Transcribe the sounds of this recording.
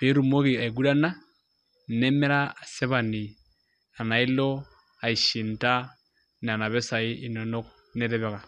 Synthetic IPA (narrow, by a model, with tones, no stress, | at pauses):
be˨˦ɾu˨mo˦ki˨a˨i˨ɡu˦da˦na˦˨ | nɛ˦mɛ˦ɾaː˦˨sɛ˦βa˨ni˨ | a˨na˨i˦lo˦ | a˨i˨ʃi˨nta˦ | n˨a˨na˨βɛ˦sa˨ɪ˦i˨nɔ˨no˦k̚ | nɛ˦ɾɛ˦βɛ˨ka˨